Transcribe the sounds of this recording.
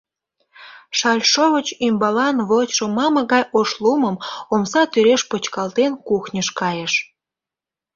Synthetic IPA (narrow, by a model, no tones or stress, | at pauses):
ʃɑlʲʃoβət͡ɕymbɑlɑnβotʲʃomɑmɤ̆ɣɑjoʃlumə̆momsɑt̪yɾeʃpot͡ɕkɑlt̪enkuxnʲəʃkɑjeʃ